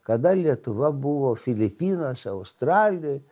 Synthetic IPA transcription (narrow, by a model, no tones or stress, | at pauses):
kɐd̪ɐlʲiɛt̪ʊʋɐbʊʋoːfʲɪlʲɪpʲiːnoːsʲɐʊst̪ɾɑːlʲɪjo